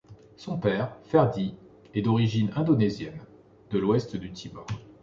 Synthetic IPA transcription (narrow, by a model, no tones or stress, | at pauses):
sɔ̃pɛʁfɛʁd̪i | ɛd̪ɔʁiʒinɛ̃d̪ɔnɛzjɛn | d̪əlwɛst̪d̪yt̪ʰibɔ